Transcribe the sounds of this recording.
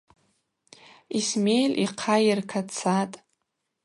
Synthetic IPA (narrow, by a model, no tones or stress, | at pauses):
ismejlʔiqʰajɪrkʰat͡sʰatʼ